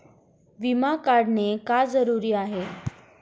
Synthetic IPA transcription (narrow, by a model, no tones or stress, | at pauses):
ʋimakaɽnekad͡zəɾuɾiːaɦe